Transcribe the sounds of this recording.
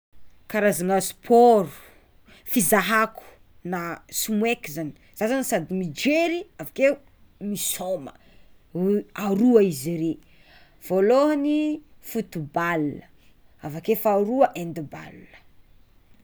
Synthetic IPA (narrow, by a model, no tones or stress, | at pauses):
kaɾazaŋaspʰoɾu̥ | fizaɦaku̥ | nasumwekizani̥ | z̥asanisad̪imid͡ʒeɾiavake | misomə̰ | aɾuaiziɾe | v̥oloɦanifut̪ubalnə | avakefaɾuaʔend̪iba̰lunə̥